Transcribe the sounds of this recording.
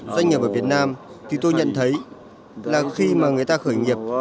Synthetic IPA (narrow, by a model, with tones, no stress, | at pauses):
zwa˧ŋːi˨˩p̚ʔəː˧˩vi˨˩ət̚naː˧mt̪ʰi˨˩t̪o˧jɲə̰˧˨nt̪ʰə˨˦j | laː˨˩xi˧maː˨˩ŋɨ˨˩əjt̪aː˧xəː˧˩jŋi˨˩əp̚